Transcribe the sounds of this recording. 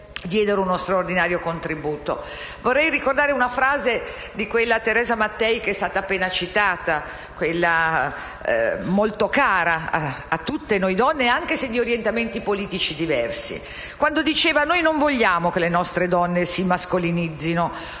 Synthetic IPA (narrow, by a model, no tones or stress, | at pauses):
d̪jɛːd̪eɾeunost̪ɾaord̪inaːɾjokont̪ɾibuːt̪o̰ | vorːɛjrikord̪aːɾeunafɾaːze | d̪ikwelːat̪eɾɛːzamat̪ːɛjkeɛst̪aːt̪aːpːeːnat͡ʃit̪aːt̪a | kwelːa | molt̪okaːɾaaː | t̪ːut̪ːenojd̪ɔnːeaŋk̟esed̪ːioɾjent̪ament̪ipoliːt̪it͡ʃid̪ivɛrsḭ | kwand̪od̪it͡ʃeːvanojnoɱvoʎːaːmokelenɔst̪ɾed̪ɔnːesimaskolinid̪zːino